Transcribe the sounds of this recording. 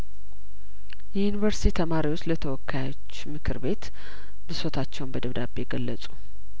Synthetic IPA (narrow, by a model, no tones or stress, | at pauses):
jɛjunivəɾst̪ʰit̪ʰəmaɾiwo̞t͡ʃːlət̪ʰəwɔkːajot͡ʃːmɨkʰɨɾbe̞t̪ | bɨsot̪ʰat͡ʃːɛwnbəd̪əβd̪abːeɡəlːəsʼu̥